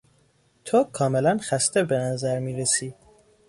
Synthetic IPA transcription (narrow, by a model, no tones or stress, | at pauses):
t̪ʰokʰɒːmelænxæst̪ebenæzæɾmiːɾesiː